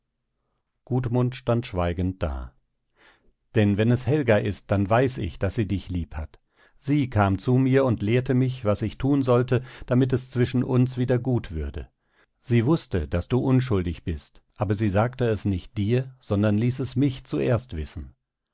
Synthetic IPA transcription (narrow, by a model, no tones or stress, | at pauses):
ɡ̥uːtmʊntʃtantʃv̥aɪɡn̩t̚d̥a̰ː | d̥ɛnvɛnɛshɛlɡaʔɪst̚d̥anvaɪsɪ̰çd̥asz̥iːdɪçliːpha̰t | z̥iːkʰaːmt͡sumiːɐʊntleːɐtəmɪçvasɪçtʰuːnzɔltəd̥amɪt̬ɛst͡sv̥ɪʃn̩ʔʊnsv̥iːdɐɡuːtv̥ʏɐdə̰ | z̥iːvʊstəd̥asd̥uːʔʊnʃ̬ʊldɪçb̥ɪstʔaːbɐziːzaːktəɛsnɪçt̚d̥iːɐz̥ɔndɐnliːsɛsmɪçt͡suʔḛːɐstv̥ɪsn̩